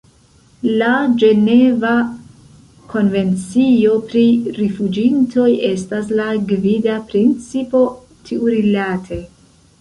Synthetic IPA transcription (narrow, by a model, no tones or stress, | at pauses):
lad͡ʒe̞ne̞va | kʰo̞nve̞nt͡sio̞pɾiɾifud͡ʒintʰo̞je̞stas̬laɡvidapɾint͡sipo̞ | tʰiuɾilatʰe̞